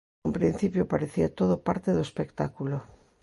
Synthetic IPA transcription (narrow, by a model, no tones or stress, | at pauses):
umpɾin̟θipjopaɾeθiat̪oðopaɾt̪eðoespekt̪akulo